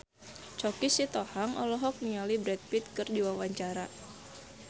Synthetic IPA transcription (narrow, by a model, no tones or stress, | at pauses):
t͡ʃɔkisit̪ɔhaŋɔ̰lɔɦɔk̚niŋalibɾɛt̪̚pit̪̚kɨrdiwawaɲt͡ʃaɾa